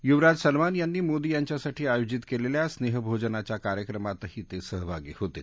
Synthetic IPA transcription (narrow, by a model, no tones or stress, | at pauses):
juʋɾad͡ʑsəlmanjanːiːmod̪ijaɲt͡ɕjasaʈʰiːajod͡ʑit̪keleljasneɦbʱod͡ʑənat͡ɕjakaɾjəkɾəmat̪hiːt̪esəɦbʱaɡḭːhot̪ḛl